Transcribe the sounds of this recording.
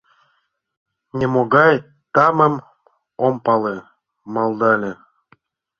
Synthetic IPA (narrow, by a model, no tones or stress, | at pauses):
nʲemoɣɑj | t̪ɑmə̆m | ompɑle | mɑlˠd̪ɑlʲe